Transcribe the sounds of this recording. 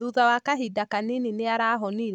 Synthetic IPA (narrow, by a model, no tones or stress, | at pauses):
uðawakaɦidakanenineaɾaɦɔniɾ